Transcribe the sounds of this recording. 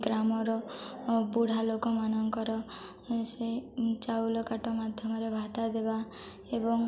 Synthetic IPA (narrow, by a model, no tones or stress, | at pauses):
ɡɾamɔɾɔ | buɽ̤alokɔmanɔŋkɔɾɔ | set͡ʃawlɔkaʈɔmad̪ʱjɔmɔɾebʱat̪ad̪eba | ebɔŋ